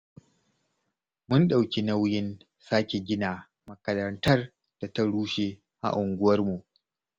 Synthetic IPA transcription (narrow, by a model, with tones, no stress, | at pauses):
mʊ˦nɗa˨wkʲi˦nɐ˦wjɪ˦n | saː˦kʲe˨ɡʲɪ˦naː˨ | mɐ˨kɐ˨ɾɐ˨ntɐ˦r | d̥a˨tɐ˦ɽuː˦ʃeː˦˨ | ʔa̰˨ʔʊ˨ŋɡʷʊ˦wɐ˦rmu˨ʔ